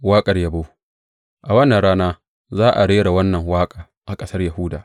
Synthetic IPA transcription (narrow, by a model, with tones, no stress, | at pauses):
waː˦kʼɐ˨rjɐ˨boː˦ | ʔa˨wɐ˦nːɐ˨nɽaː˦naː˦ | zaː˦ʔa˨ɽeː˦ɽa˨wɐ˦nːɐ˨ŋwaː˦kʼaː˨ | ʔa˨kʼɐ˦sɐ˦rjɐ˨huː˦daː˨ʔ